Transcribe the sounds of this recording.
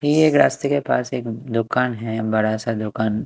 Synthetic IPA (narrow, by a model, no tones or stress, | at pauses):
eːkɾaːst̪ikepaːseːkd̪ʊkaːnɦɛ̃bɐɽasad̪ʊkaːn